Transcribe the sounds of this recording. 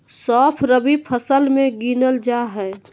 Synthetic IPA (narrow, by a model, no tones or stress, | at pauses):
sɔːpʰɾəbipʰəsəlmẽɡiːnəld͡ʒaːɦɛː